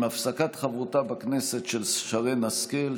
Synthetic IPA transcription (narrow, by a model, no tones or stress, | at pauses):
mafsakat̪χavʁut̪abakneset̪ʃelsʃaʁenaskel